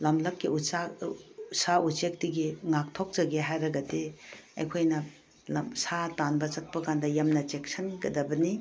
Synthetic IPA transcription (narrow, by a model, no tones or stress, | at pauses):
lɐmlɐk̚kːiusa | saut͡ʃek̚tiɡiŋak̚tʰok̚t͡ʃɐɡeɦajɾɐɡɐdeɐ̰jkʰojnɐ | satanbɐt͡ʃɐt̚pɐkandɐjɐmnɐt͡ʃek̚sɐnɡɐdɐbɐni